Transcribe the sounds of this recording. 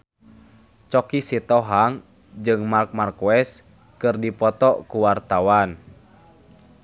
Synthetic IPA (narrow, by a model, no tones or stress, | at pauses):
t͡ʃɔkisit̪ɔɦaŋ | d͡ʒɨŋmark̚markuɛs | kɨrdipɔt̪ɔkuwart̪awan